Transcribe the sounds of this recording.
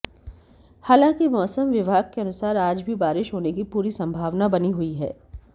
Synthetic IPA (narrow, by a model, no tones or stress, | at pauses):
haːlãːŋkimɔːsəmʋɪbʱaːɡ̚keɐnʊsaːɾaːd͡ʒbʱibaːɾɪʃɦoːnek̬ipuːɾisɐ̃mbʱaːʋnabɐniɦʊiɦɛ̰ː